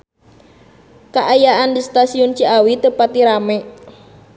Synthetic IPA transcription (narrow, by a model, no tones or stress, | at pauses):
kaʔajaʔandist̪asiɔnt͡ʃiawit̪əpat̪̚diɾamɛ